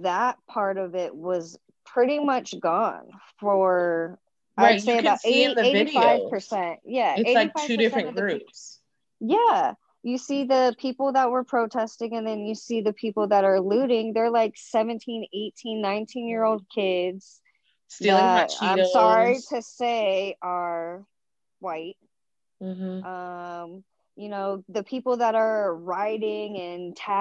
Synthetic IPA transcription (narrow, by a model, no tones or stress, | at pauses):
ðət̚pʰɑɹɾʌvɪt̚wʌz̥ | pʰɹ̥ɪɾimʌt͡ʃɡ̥ɔ̃nfə˞ | aɪd̥seɪɨbaʊɾeiɨeɪiɾifaɪvv̥pʰə˞sɛ̃nt̚jæeɪaɪifaɪvʉɪfsɹɨ̃nnʌvɡðɹʉ | jæ | jɨsiðɨpʰipl̩ˠðət̚wə˞pʰɹ̥oʊtʰɛstɪ̃ŋɨ̃nðɨ̃njɨsiðɨpʰipl̩ˠðəɾə˞lʉɾɪ̃ŋðə˞laɪksɛvɨ̃ntʰĩneɪtʰĩnːãɪ̃ntʰĩnjɪɹoʊlˠd̚kʰɪdz̥ | stilə̃tã̰ɪmssɑɹiɾɨseɪʔə˞ | waɪt̩̚ | m̩ʔʌ̃m | jɨnoʊðɨpʰipl̩ˠðəɾə˞ɹaɪɾɪ̃ŋɨ̃ntʰæ